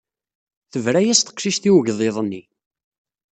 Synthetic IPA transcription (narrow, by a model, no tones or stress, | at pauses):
θəvɾæjæst̪ə̥qʃiʃθiwəʝðˤeðˤənːi